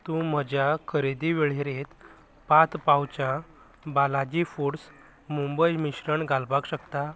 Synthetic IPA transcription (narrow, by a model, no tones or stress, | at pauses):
t̪ũm̤əd͡ʑjakʰəɾed̪iʋeɭ̤eɾet̪ | pat̪pawt͡ɕã | balad͡ʑifuɽs | mumbəjmiɕɾəɳɡalbakɕəkt̪a